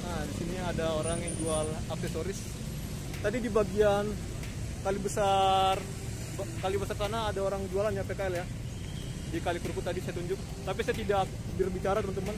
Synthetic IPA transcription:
ʔadisiniadaoɾaŋjaŋd͡ʒualap̚sesoɾɪs | t̪adidibaɡian | kalibəsar | bkalibəsarsanaːdaoɾaŋd͡ʒualanjapekaɛlja | dikalikuɾukut̪adisajat̪uɲd͡ʒʊk̚ | t̪apisajat̪idak̚ | bɪrbit͡ʃaɾat̪əɾunt̪uman

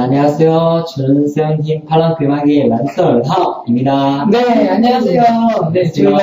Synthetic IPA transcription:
aɲiŋasʰejot͡ɕɯnsʰeŋɦimpʰaɭːankemaɡemans͈ʰʌɭɦaimɲidaneaɲiasʰejonet͡ɕiɯ

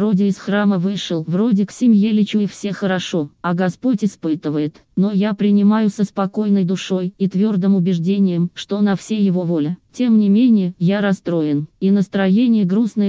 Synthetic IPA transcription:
vro̞dʲɪɪsxraməvɨʂɨlˠvro̞dʲɪksʲɪmʲjelʲɪt͡ɕujɪfsʲe̞xəɾɐʂo̞ɐɡɐspo̞tʲɪspɨt̪ɨvəjɪt̪ | no̞japɾʲɪnʲɪmajʊsəspɐko̞jnəjd̪ʊʂo̞jit̪vʲo̞rd̪əmʊbʲɪʐdʲenʲɪjəmʂt̪o̞nɐfsʲejɪvo̞vo̞lʲɪtʲe̞mnʲɪmʲenʲɪjəjaɾɐst̪ɾo̞jɪninəst̪ɾɐjenʲɪjəɡɾusnə

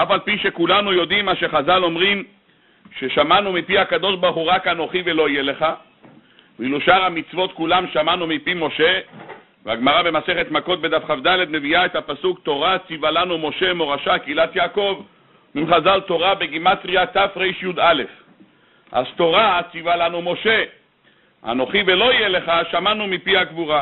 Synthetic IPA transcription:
ʔafalpiʃe̞kulanujo̞d̪imaʃe̞χazalo̞mʁim | ʃeʃamanumipihakad̪o̞ʃbaʁχuʁakanoχivelo̞ijele̞χa | viluʃaʁhamit͡svo̞t̪kulamʃamanumipimo̞ʃe̞ | veaɡmaʁabe̞mase̞χe̞t̪mako̞t̪be̞d̪afχafd̪ale̞d̪me̞viaet̪hapasukt̪o̞ʁat͡sivalanumo̞ʃe̞mo̞ʁaʃakilat̪jaːko̞v | mimχazalt̪o̞ʁabeɡimat̪ʁiat̪afʁejʃjud̪ale̞f | ʔa̰zt̪o̞ʁat͡sivalanumo̞ʃe̞ | a̰no̞χivelo̞ijele̞χaʃamanumipihaɡvuʁa

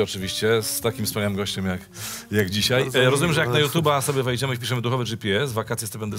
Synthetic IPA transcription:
ɔt͡ʂɘvʲiɕt͡ɕɛst̪akʲimfspɔɲaw̪ɘmɡɔɕt͡ɕɛmjak | jaɡd͡ʑiɕaj̪ɾɔzumʲɛmʐɛjakknajut̪jubasɔbʲjɛvɛjd͡ʑɛmɘipʲiʂɛmɘd̪uxɔvɛʐipʲiɛsvakat̪sʲjɛst̪ɛbɛnd̪ɛ

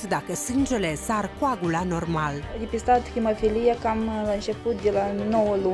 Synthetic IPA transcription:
d̪akəsɨnd͡ʒe̞le̞sarkuaɡulano̞rmald̪epist̪at̪kɾimofilijakamlaɨnt͡ʃe̞put̪̚d̪elanowəlu

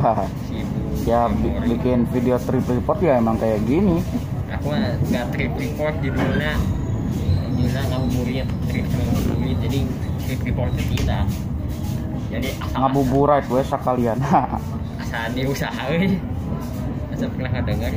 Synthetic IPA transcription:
a | si | jabibikɪnfideot̪ɾipɾipɔt̪̚ɡaemaŋkajaɡini | a̰kuaɡat̪ɾipɾipɔrt̪̚ɡimana | dulaŋabubuɾiat̪t̪ɾipsamamɔtuid͡ʒadit̪ɾipɾipɔrt̪̚at̪ita | d͡ʒadiaaŋabubuɾait̪uɛsakaliana | asadiusahau | asapərnakadəŋar

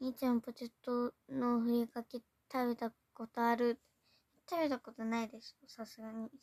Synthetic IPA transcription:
ɲit͡ɕimpot͡ɕet̪ːonoɸɯ̟ɾʲikakʲe | t̪ʰaβe̞t̪a | ko̞t̪o̞aɾɯ̟ | t̪aβe̞t̪ako̞t̪onaid̪e̞sosasɨɡaɲ̟i

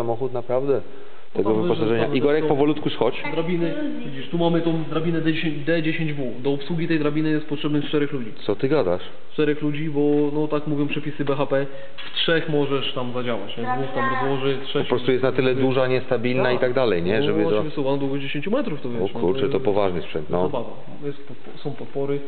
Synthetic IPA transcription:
samɔxut̪napɾavd̪ɛ | t̪ɛɡɔvɪpɔsaʐɛɲaʔiɡɔɾɛk̚pɔvɔlut̪kusxɔt͡ɕd̪ɾabʲinɘ | vʲid͡ʑiʂt̪umamɘt̪ɔ̃w̃d̪ɾabʲinɛd̪ɛeɕeɲd̪ɛd͡ʑeɕeɲd͡ʑvud̪ɔɔpswuɡʲit̪ɛjd̪ɾabʲinɘjɛst̪̚pɔtʂɛbnɘst͡ʂt̪ɛɾɛxlud͡ʑit̪sɔt̪ɘɡad̪aʂ | t͡ʂt̪ɛɾɛxlud͡ʑibɔnɔt̪akmuvʲjɔ̃pʂɛpʲisɘbɛxapɛ | ftʂɛxmɔʐɛʂt̪amzad͡ʑawa̰t͡ɕɲɛzd̪uft̪amɾɔzwɔʐɘtʂɛpɔpɾɔst̪ujɛst̪nat̪ɘlɛd̪uʐaɲɛst̪abʲilnait̪aɡ̚d̪alɛjɲɛʐɛbɪavsɔvanɔd̪wuɡɔd͡ʑeɕẽɲt͡ɕumɛt̪ɾuft̪ɔvʲjɛkuɾt͡ʂɛt̪ɔpɔvaʐnɘspʂɛnt̪nɔzabad̪a | jɛst̪pɔt̪pɔsɔ̃w̃pɔt̪pɔɾɘ

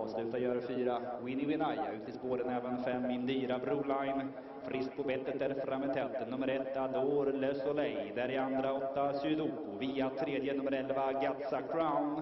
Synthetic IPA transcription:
ɑːvslʉ̟ːt̪ajœːɾafyːɾawɪnːɪwɪnaja̰ʉ̟ːt̪ʰɪspoːɾənɛːvənfɛmːɪnd̪yːɾabɾuːlajn | fɾɪsk̪̚pʰɔbɛt̪ːət̪d̪æɾfɾamːɛt̪ʰɛt̪ːnɵmːəɾɛt̪ːad̪oːɾlɛsɔlɛjd̪æɾjand̪ɾaɔt̪ːasʉd̪ukʊviːat̪ʰɾeːd̪jənɵmːəɾɛlvaɡat̪sakʰɾaʊn

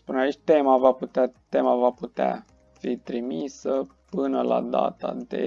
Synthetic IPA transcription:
spuneait͡ʃʲt̪e̞mavaput̪at̪emavaput̪ea̰ | fit̪ɾimisə | pɨnəla̰d̪a̰t̪ad̪e̞̰

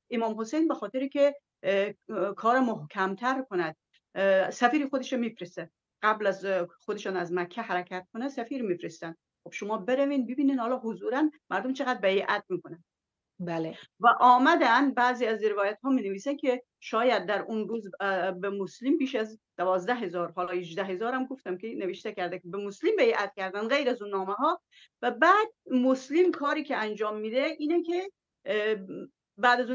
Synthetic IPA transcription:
ʔemɒːmhosejnbexɒːt̪ʰeɾikʲʰe | kʰɒːɾæmohkʰæmt̪ʰæɾkʰonæd̪̥̚ | sæfiːɾiːxod̪eʃemiːfɾest̪æd̪ | ɢ̥æblæzxod̪eʃɑːnæzmækʰːæhæɾæcʰæt̪̚kʰonæsæfiːɾmiːfɾest̪ænd̪ | xob̥ʃomɒːbeɾæviːnbibiːniːd̪hɒːlɒːɦozuːɾænmæɾd̪omt͡ʃʰeɣæd̪ɾbæjiʔæt̪̚miːkʰonæn | blvæʔɒːmæd̪æn̚bæːziːæzɾevɒːjæt̪hɒːmineviːsænkʲʰe | ʃɒːjæd̪̚ːæɾunɾuːzbemoslimbiːʃæzd̪̥ævɒːzd̪æɦe̞zɒːɾɦɒːlɒːhed͡ʒd̪æɦezɒːɾæmɡo̞ft̪æmkʲʰeneveʃt̪ecʰæɾd̪ækʲebemoslimbæjʔæt̪cʲʰæɾd̪ænd̪ɣejɾæzunːɒːmeɦɒː | væbæːd̪̚moslimkʰɒːɾiːcʰeænd͡ʒɒːmːiːd̪eʔiːnekʰe | bæːd̪æzu

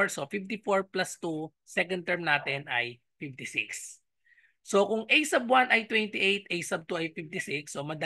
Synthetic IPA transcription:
ɹsofift̪ɪfoɹplɐst̪u | sɛkɐ̃n̚t̪ɛɹmnaːt̪ɛnʔɐj | fɪft̪ɪsɪ̰ks | so̞kʊŋʔɛjsɐbwanʔɐjt̪wɛnt̪ɪʔejt̪̚ɛjsɐb̚t̪uɐjfift̪ɪsiksːomɐd̪ɐ

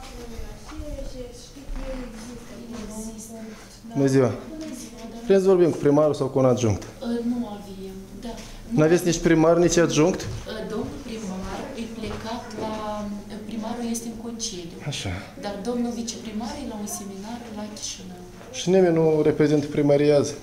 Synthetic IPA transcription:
i | nəziwa | vɾisvorbimkupɾimaɾusawkuunad̪ʒuŋkt̪nuavijem | d̪a | nnuavesʲnit͡ʃpɾimarʲnit͡ʃad̪ʒuŋkt̪d̪o̞mnupɾimarɨjple̞kat̪lapɾimaɾulje̞st̪eɨŋkont͡ʃied̪ʲuaʃa | d̪ard̪o̞mnuvit͡ʃe̞pɾimaɾejlaunse̞minarlakʲi̥ʃinəw | ʃinimʲenuɾepɾe̞zint̪pɾimaɾiaz

